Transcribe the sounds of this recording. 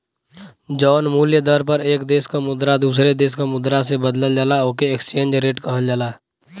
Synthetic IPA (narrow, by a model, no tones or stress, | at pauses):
d͡ʒɔːnmuːljəd̪əɾpəɾeːkd̪eːskamʊd̪ɾad̪uːs̬ɾed̪eːskamʊd̪ɾasebəd̪ləld͡ʒaːlaoːkeekst͡ʃẽːnd͡ʒɾeːʈkəɦəld͡ʒaːlaː